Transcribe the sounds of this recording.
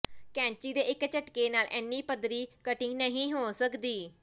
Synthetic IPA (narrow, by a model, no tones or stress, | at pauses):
kɛ̃ːɲt͡ʃiːd̪eːʔɪkt͡ʃəʈkeːnaːlʔɛːnːiːpəd̪ɾiːkəʈĩːnəɦĩːɦoːsəkd̪iː